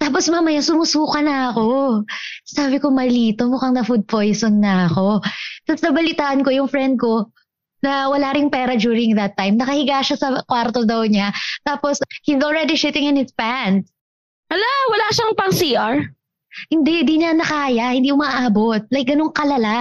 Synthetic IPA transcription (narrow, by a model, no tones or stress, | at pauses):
t̪aːp̬osmamɐjasʊmʊsuːkɐnɐɐko̞ | saːbɪko̞mɐliːt̪o̞mukɐŋnɐfud̪̚pojsonːɐɐko̞t̪ɐsd̪ɐbɐlɪt̪aːʔɐnko̞jʊŋfɾɛnd̪̚ko̞ | nɐwɐlaɾɪŋpɛːɾɐd͡ʒuːɾɪŋðɐt̪ːajmnɐkɐhɪɡaːʃasɐkwaɾt̪od̪ɐwɲat̪aːposhizolɹɛd̪iʃɪt̪ɪŋɪnhɪspans | hɐlawɐlaʃɐŋpɐŋsiːʔaɹ | hɪnd̪ɛʔd̪iːɲɐnɐkaːjɐhɪ̃nd̪iʔkʊmaʔʔaːbo̞t̪̚lɐjk̚ɡɐnoŋkɐlɐla